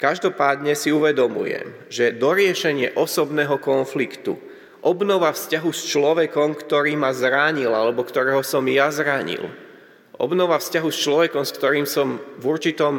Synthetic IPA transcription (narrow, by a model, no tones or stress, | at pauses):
kaʒd̪ɔpaːd̪ɲɛsiuʋɛd̪ɔmṵjɛ̰m | ʒɛd̪ɔɾɪɛʃɛɲɪɛʔɔsɔbnɛːɦɔkɔnflikt̪ṵ | ʔɔbnɔʋafscaɦust͡ʃlɔʋɛkɔmkt̪ɔɾiːmazɾaɲilalɛbɔkt̪ɔɾɛːɦɔsɔmjazɾaɲḭl | ʔɔ̰bnɔʋafscaɦust͡ʃlɔʋɛkɔmskt̪ɔɾiːmsɔmvuɾt͡ʃit̪ɔm